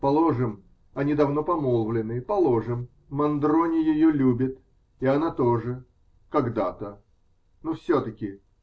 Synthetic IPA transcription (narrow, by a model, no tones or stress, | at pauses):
pɐlˠoʐɨm | ɐnʲid̪ɐvno̞pɐmolˠvlʲɪnːɨpɐlˠo̞ʐɨmː | ɐnd̪ɾonʲɪjɪjolʲubʲɪt̪ | iɐnat̪oʐɨ | kɐɡd̪at̪ə | nufsʲot̪əkʲɪ